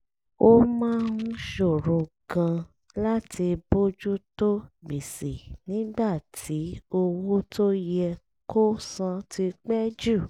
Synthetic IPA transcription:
o˦mãː˦nũ˦ʃo˦˨ɾũ˨˧ɡã˧ | la˦tʰi˧bo˦d͡ʒu˦to˦ɡ͡bi˨si˨nĩ˨˦ɡ͡ba˦˨tʰi˨˦o˧wo˦to˦jɛ˧ | ko˦sã˧tʰi˧k͡pɛ˦d͡ʒu˦˨

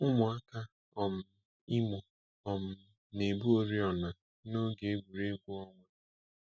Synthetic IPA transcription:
ʊ˦mʊ˨a˦ka˦ | ɔ˨m̩˦ | ɪ˦mʊ˨ | ɔ˨m̩˦ | ne˨bu˦o˦ɾi˦ɔ˨na˨ | no˦ɡe˨e˦ɡʷu˨ɾe˦ɡʷu˦ɔ˦ŋʷe˦

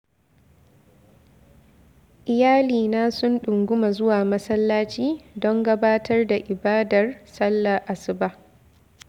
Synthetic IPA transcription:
ʔɪ˨jaː˦liː˨naː˦sʊ˦nɗʊ˨ŋɡʷʊ˦ma˨zʊ˦waː˨mɐ˦sɐ˦lːaː˦t͡ʃiː˦dɔ˦ŋɡɐ˦baː˦tʰɐ˦rda˨ʔɪ˨baː˦dɐ˨rsɐ˦lːa˨ʔa˨sɪ˨ba˦

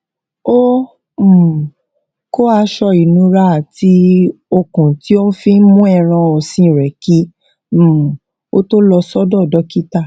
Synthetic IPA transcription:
o˦˨ | ko˦a˧ʃɔ˧i˨nũ˨˧˦ɾa˦a˨ti˧˦o˧kũ˨ti˨˦o˦n̩˦fi˦n˦mũ˦ɛ˦˨ɾ̃ã˧ɔ˨sĩ˧˨ɾɛ˨kĩ˨˦˨ | o̰˦to˦lɔ˧sɔ˦dɔ˦˨dɔ˧˦ki˦ta˦˨

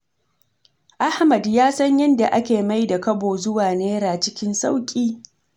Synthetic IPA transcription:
ʔa˦hmɐ˨djaː˦sɐ˦ɲjɐ˦nda˨ʔa˦kʲeː˨ma˦jda˨kɐ˦boː˨zʊ˦waː˨neː˦ɾaː˨t͡ʃɪ˦kʲɪ˦nsa˦wkʲʼiː˦

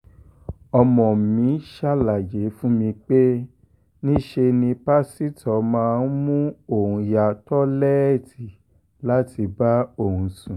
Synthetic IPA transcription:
ɔ˧mɔ̃˨mĩ˨˦ʃa˦˨la˨je˨˦fũ˦mĩ˧k͡pe˦ | nĩ˦ʃe˧nĩ˧pa˦si˦tɔ˨˦mãː˧˦˧n̩˦mũ˦o˦˨ũ˧ja˧tɔ˦lɛ˦ɛ˦˨ti˨ | la˦ti˧ba˦o˦˨hũ˧sũ˨

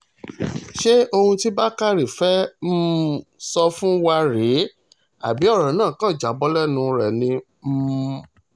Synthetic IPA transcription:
ʃe˦o˧hũ˧ti˦ba˦ka˦ɾi˨fɛ˦m̩˦sɔ˧fũ˦wa˧ɾe˨˦ | a̰˨bi˨˦ɔ˦˨ɾɔ̃˨˦nãː˦˨kã˦˨d͡ʒa˨bɔ˧˦lɛ˦nũ˧ɾɛ˨nĩ˧ | m̩˦

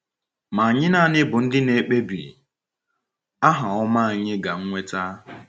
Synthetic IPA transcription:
ma˨a˨ɲɪ˦na˦˨nɪ˦bʊ˨n̩˦dɪ˦ne˨k͡pe˦bi˨ | a˦ɦa˨ɔ˦ma˦a˨ɲɪ˦ɡa˨ŋ̩˦ŋʷe˦ta˦

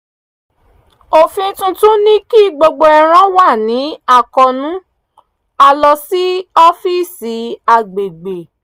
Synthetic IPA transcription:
o˨fĩ˧˦tũ˧tũ˦nĩ˦ki˦˨ɡ͡bo˧ɡ͡bo˧ɛ˧ɾ̃ã˦wa˦˨nĩ˨˦a˦˨kɔ˧nũ˦ | a˧lɔ˧si˦ɔ˦fi˦˨si˨˦a˧˨ɡ͡be˨ɡ͡be˨

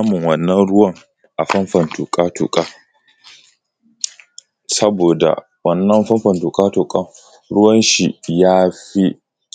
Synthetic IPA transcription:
a˦mʊ˨ŋwɐ˨nːɐ˦nɽʊ˦wɐ˦ŋ | ʔa˨ɸɐ˦mɸɐ˨ntu˨kʼaː˦tṵ˨kʼaː˦ | sɐ˦boː˨da̰˨ | wɐ˨nːɐ˦mɸɐ˦mɸɐ˨ntu˨kʼaː˦tu˨kʼɐ˦ | ɽʊ˦wɐ˦nʃi˨jaː˦ɸi˦ʔ

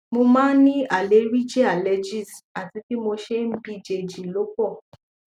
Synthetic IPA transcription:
mo˧mãː˦nĩ˦a˨le˨˦ɾi˦d͡ʒɛ˦a˨lɛ˧d͡ʒi˦˨sa˨ti˧˦ki˦mo˧ʃe˦m̩˦bi˧d͡ʒe˧˨d͡ʒi˨lo˨˦kɔ˦˨

